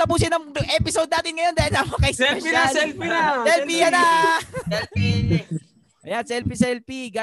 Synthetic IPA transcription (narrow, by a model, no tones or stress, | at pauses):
t̪ɐpuːsɪnɐŋʔɛpɪsowd̪̚aːt̪ɪnŋɐjod̪aːhɪlsamɐkɐjsɛɛisɛlpijanɐɛlpi | ʔɐjansɛlpisɛlpiɡa